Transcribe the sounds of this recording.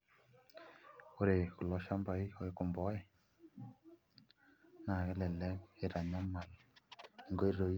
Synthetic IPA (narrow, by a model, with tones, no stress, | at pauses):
o˦ɾe˨ku˨lɔ˨˦ʃa˦mba˨˦i˦o˦e˦ku˨mbɔ˦ɛ˨ | na˨kɛ˦lɛ˨lɛ˦ke˨ɾa˨ɲa˦ma˨l | ŋɡo˦i˦ɾo˨˦i˦